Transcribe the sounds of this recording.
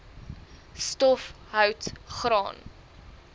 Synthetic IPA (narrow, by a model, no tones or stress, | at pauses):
stɔf | ɦœwtχɾɑ̰ːn